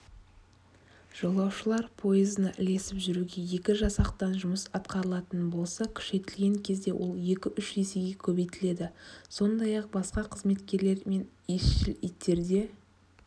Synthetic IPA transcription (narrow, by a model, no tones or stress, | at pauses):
ʒ̥o̞lˠɑwʃəlˠɑɾpʰo̞izənɑʔɪ̰ld̪e̞sɪpʒʏɾuɡʲeje̞kʲɪʒɑsɑqt̪ɑnʒʊməsɑt̪qɑɾəlˠɑt̪ənbo̞lˠsɑkʲʰʏ̥ʃe̞t̪ɪlɡʲe̞ŋkʲʰe̞zd̪e̞wʔo̞̰lˠje̞kʲɪʔʏʃeseɡʲe̞kʲʰɵbejt̪ɪle̞d̪ɪso̞nd̪ɑjɑq̚bɑsqɑqʰəzme̞t̪kʲe̞ɾle̞ɾme̞n | esʃɪlit̪ʰːe̞ɾd̪e̞